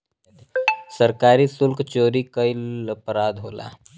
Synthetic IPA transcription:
səɾkaːɾisʊlkt͡ʃoːɾikəɪləpɾaːd̪ɦo̰ːla̰ː

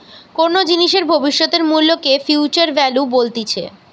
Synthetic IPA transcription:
koɾnod͡ʑiniʃeɾbʱobiʃːot̪eɾmulːokefjuːt͡ɕaɾbɛlubolt̪it͡ɕʰḛ

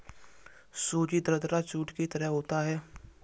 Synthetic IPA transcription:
soːd͡ʒid̪ɾəd̪ɾat͡ʃuːʈkit̪əɾəɦɦoːt̪aɦɛː

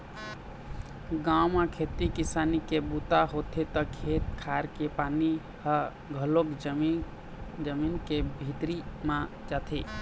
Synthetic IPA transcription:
ɡãwmakʰet̪ikisanikebut̪aɦot̪ʰet̪ɔkʰet̪̚kʰaɾkepani | hə | ɡʱəlokd͡ʒm | d͡ʒəminkebʱit̪ɾimãd͡ʒat̪ʰe

